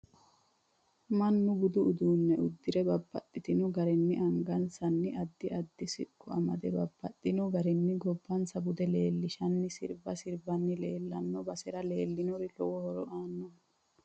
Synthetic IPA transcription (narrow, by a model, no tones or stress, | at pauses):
mɐnːʊbʊd̪ʊʔʊd̪uːnːɛʊd̪ːɪɾɛbɐbːɐ̰t̪ʼːɪt̪ɪnɔɡɐɾɛnːɪʔɐŋɡɐnsɐnːɪɐd̪ːɪɐd̪ːɪsɪ̰kːʊɐ̰mɐd̪ɛbɐb̥ːɐt̪ʼːɪnɔɡɐɾɛnːɪɡɔbːɐnsɐbʊd̪ɛle̞ːlːɪʃɐnːɪsɪɾbɐsɪɾbɐnːɪle̞ːlːɐnːɔbɐsɛɾɐle̞ːlːɪnɔɾɪlɔwɔhɔɾɔʔaːnːɔ